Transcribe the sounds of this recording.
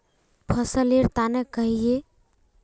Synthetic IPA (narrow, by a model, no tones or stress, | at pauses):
pʰəsəleɾt̪anekəɦie